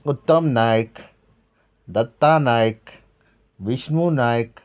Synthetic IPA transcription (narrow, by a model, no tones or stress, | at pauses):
ʊt̪ːəmnaːjək | d̪ɐt̪ːanaːjək | ʋɪʃmunaːjək